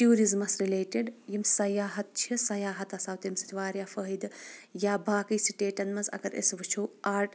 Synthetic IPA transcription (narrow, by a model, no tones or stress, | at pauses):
ʈ̪juːɾizmɐsɾileːʈeɖjimsɐjaːɦɐt̪̚t͡ʃʰisɐjaːɦɐt̪ɐsaːwt̪emsi̥t̪iʋaːɾjaːfəɦid̪jaːbaːkijsiʈeːʈɐnmɐzɐ̰ɡɐɾḛsʋɨt͡ʃʰuaːɾʈ